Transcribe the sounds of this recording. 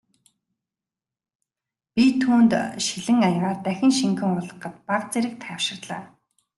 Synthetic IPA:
pʲit̪ʰːuːnt̪ʃiɮɘ̆ŋajʁaːrt̪æxʲɪ̆ŋʃiŋkɘ̆ŋʊɮə̆qːə̆t̪paqt͡seɾɘ̆k̚t̪ʰæːwʃɪ̆rɮaː

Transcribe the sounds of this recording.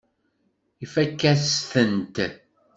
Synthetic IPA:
ifækːæsθənt̪

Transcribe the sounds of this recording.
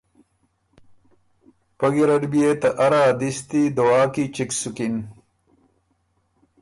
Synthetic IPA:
pɐɡiɾɐɖbijet̪ɐʔɐɾaːd̪ist̪id̪owaːkit͡ɕiksukin

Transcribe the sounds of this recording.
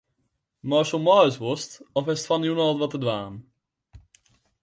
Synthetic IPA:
mɔɹsəmɔsʋɔstɔfɛstfɑnjunɔlˠtʋɑtədʋaːn

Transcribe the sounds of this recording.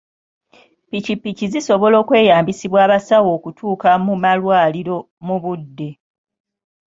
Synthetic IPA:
picipːiciziso̞βo̞lo̞ːkwe̞ːjaːmbisiβwaːβasawo̞ːkutʰuːkamumalwaːliɾo̞ | muβudːe̞

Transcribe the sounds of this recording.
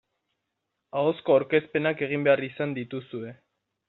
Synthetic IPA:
aosko̞awɾke̞spe̞nake̞ɣ̞imbe̞arisand̪it̪usue̞

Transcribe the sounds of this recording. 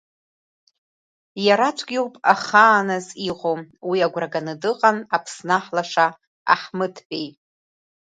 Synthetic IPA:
jaɾat͡ʃʷʰɡʲewpʼaχaːnaziʁowiaɡʷraɡanɨdɨqʼanapʰsnaħlaʂa | a̰ħmɨtʰpʼej

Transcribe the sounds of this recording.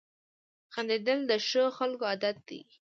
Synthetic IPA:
ɣ̥and̪ed̪əld̪əʃəxalkoad̪at̪̚d̪ḭ

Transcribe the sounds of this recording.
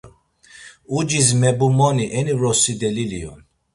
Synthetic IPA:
ud͡ʒis̬mɛbumɔniʔɛniɾɔsid̪ɛliliɔ̰n

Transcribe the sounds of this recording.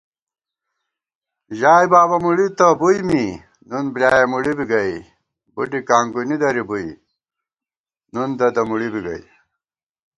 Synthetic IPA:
ʑaːjbaːbɐmuɽit̪ɐbujmi | nunbljaːjɐmuɽibiɡɐj | buɖikaːŋɡunid̪ɐɾibui | nund̪ɐd̪ɐmuɽibiɡɐ̰i

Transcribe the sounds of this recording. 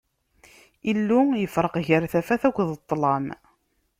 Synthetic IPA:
ilːujəfɾˤəqʝəɾθæfæθækʷːðət̪ˤːlɑm

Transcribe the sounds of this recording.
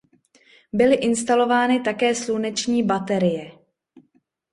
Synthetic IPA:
bɪlɪʔɪnst̪alo̞vaːnɪt̪akɛːslunɛt͡ʃɲiːbat̪ɛɾɪjɛ

